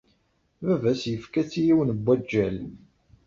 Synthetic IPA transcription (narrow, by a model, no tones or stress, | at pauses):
vævæsjəfkæt͡sːijiwnəbʷːæd͡ʒːæl